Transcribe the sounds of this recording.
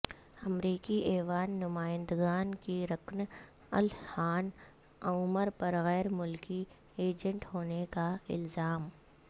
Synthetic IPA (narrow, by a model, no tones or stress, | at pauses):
ɐmɾiːkiʔeːʋaːnːʊmaːɪ̃nd̪ɡaːnkiɾɐkn | ɐ̰lhaːn | auməɾpɐɾɣɛːɾmʊlki | eːd͡ʒə̃ɳʈɦoːnekaɪ̰lzaːm